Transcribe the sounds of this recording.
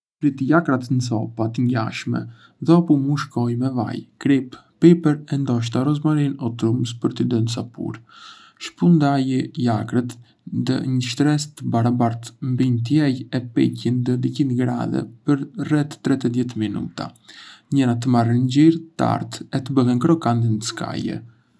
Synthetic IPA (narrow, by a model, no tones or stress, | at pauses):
pɾit̪əjakɾat̪nsɔpat̪əɲɟa̰ʃmɛ̰ | ðɛɔpumuʃkɔjmɛva̰jkɾippɛpɛɾɛnd̪ɔʃ̬t̪aɾɔzmaɾinɔt̪ɾumspəɾt̪əd̪ənsapṵɾ | ʃpund̪ajəjakɾət̪ | d̪ə̰ɲəʃt̪ɾɛst̪əbaɾabaɾt̪mbint̪̬jɛjɛpɛ̰cind̪əd̪icinɡɾa̰ðɛ̰pəɾrɛt̪ːɾɛt̪əðjɛt̪minṵt̪a̰ɲɛɾat̪əmarənd͡ʑiɾt̪a̰ɾt̪ɛt̪əbəɦɛnkɾɔkand̪inəska̰jɛ̰